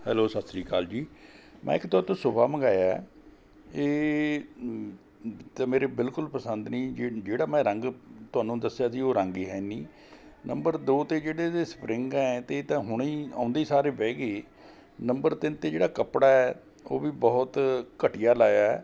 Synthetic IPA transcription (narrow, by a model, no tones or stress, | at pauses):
hɛːloːsət̪sɾiːkaːld͡ʒiːmʔɛ̰̃ːɪkt̪ɔːt̪õːsʊbaːməɡaːja | eː | t̪ãːmeːɾeːbɪlkʊlpəsənd̪nĩːd͡ʒeːɽaːmɛ̃ːɾə̃ŋɡt̪ʊaːnũːd̪əsejaːsiːoːɾəŋɡiːɦɛːniː | nəmbəɾd̪oːt̪eːd͡ʒeːɽeːt̪eːspɾɪ̃ŋɡɛ̃ːt̪et̪ãːɦʊɽ̃iːã̰ːʊ̃nd̪eiːsaːɾeːpɛːɡeː | nəmbəɾt̪ɪnt̪eːd͡ʒeːɽaːkəpɽaːɛː | oːʋiːbɔːʊt̪kəʈijaːlaːjaɛː